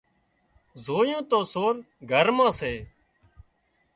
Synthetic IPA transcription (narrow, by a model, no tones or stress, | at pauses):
zoːjõːt̪õːsoːɾ | ɡʱəɾmãːseː